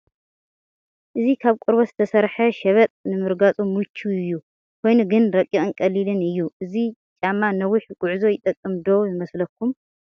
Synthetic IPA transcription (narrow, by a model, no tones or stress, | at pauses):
ʔɨzikʰaβkʼʊɾβoz̥ɨt̪ʰɐsɐɾħɐʃɐβɐt̪ʼnɨmɨɾɡat͡sʼumut͡ʃʰːuɨjːu | kʰo̞jnuɡɨnɾɐkʼːiɨnkʼɐlilɨnɨjːuʔɨzit͡ʃʼamːanɐwʊħɡ̥ʼʊʕzo̞jɪt̪ʼɐkʼːɨmd̪o̞jɪmɐslɐkʰːum